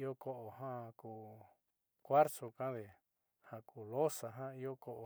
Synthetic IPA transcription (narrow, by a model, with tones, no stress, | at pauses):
i˦o˦ko˧ʔo˨ɦã˦˧kuː˨ | kʷa˦ɾso˧kã˦ðe˨ | ha˧kuː˨lo˦sa˨ɦã˦i˦o˦ko˧ʔo˨